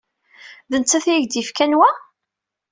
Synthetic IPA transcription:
ðənt͡sːæθjiʝd̪ifkænwæ

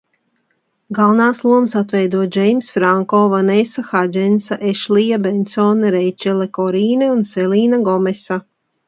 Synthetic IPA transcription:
ɡalˠnaːslˠuɔmsat̪vɛjd̪uɔd͡ʒɛjmsfɾaŋkɔːvanesaxad͡ʒɛnsaʔeʃlijabɛnsɔːnɾɛjt͡ʃɛlekɔɾiːnɛunsɛliːnaɡɔmɛsa

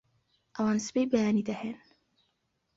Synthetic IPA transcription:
ʔɐwaːnsbejbajaːnid̪ɐhen

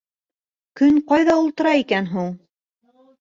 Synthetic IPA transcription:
kɵnqɑjðɑulˠt̪ɤ̆ɾɑikænɦuɴ

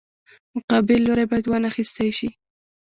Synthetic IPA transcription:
mʊqɑbɪlːoɾajbɑjad̪wɑnaxist̪ajʃi

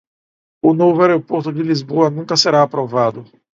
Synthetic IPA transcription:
ʊnovʊaɾeopoɾt̪ʊd͡ʒɪlizboɐnũkɐseɾaːpɾovad̪ʊ

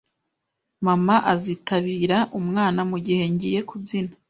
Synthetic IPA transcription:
mamaʔazitʰaβiːɾaʔumŋaːnamuɟihe̞ɲɟije̞kʰubjina

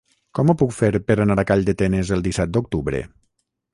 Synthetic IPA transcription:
kɔmopukfeɾpəɾanaɾakaʎd̪ət̪enəzəlˠd̪isɛt̪̚d̪ok̚t̪uβɾḛ

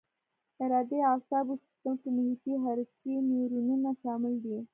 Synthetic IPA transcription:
ɪɾɑd̪eɑsɑbusɪ̥st̪əmkʊmuɦit̪iɦaɾineɾununaʃɑmɪld̪i

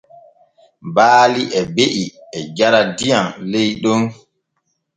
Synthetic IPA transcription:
baːliʔɛbeʔiɛd͡ʒaɾadijanlejɗɔn

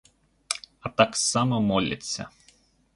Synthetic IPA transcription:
ɐt̪aksamɐmɔlʲɐ̰t͡sʲːɐ̰

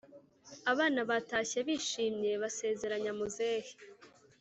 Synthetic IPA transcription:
aβaːnaβataːçeβiːʃiːmɲe̞βase̞ːze̞ɾaɲamozehi̥

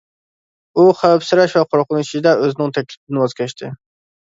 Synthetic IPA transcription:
uχæwæpsɨɾɛʃvɛqʰoɾqʰʊnuʃid̪ɛøzɪnɪŋt̪ʰɛkʲlɪpɪd̪ɪnwɑzkʲʰɛʃt̪ʰɪ

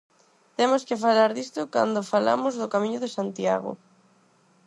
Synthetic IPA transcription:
t̪emoskɪfalaɾðist̪ʊka̰nd̪ofala̰mozðʊkamĩɲʊðesant̪iaɣo̰

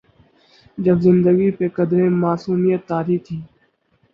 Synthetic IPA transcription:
d͡ʒəbzɪnd̪əɡiːpeːkəd̪ɾẽːmaːsuːmijət̪ːaːɾiːt̪ʰiː

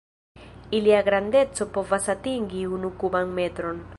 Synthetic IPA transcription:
iliaɡɾand̪et͡sopovasat̪iŋɡiunukuβaŋmet̪ɾon

